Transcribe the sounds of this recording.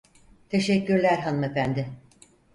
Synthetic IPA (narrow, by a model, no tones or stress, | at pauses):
t̪ʰe̞ʃɛcːyɾlʲæɾɦanɯmefænd̪ɪ